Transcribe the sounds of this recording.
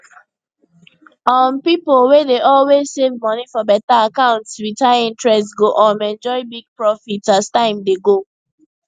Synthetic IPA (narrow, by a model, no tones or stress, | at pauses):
ɔ̃npipolwedeʔɔlwezsevmɔnifɔbɛtaakãʊ̃ntswitaĩntɹɛstɡoʔɔ̃mɛ̃nd͡ʒɔɪbiɡ̚pɹɔfitastãɪ̃mdeɡo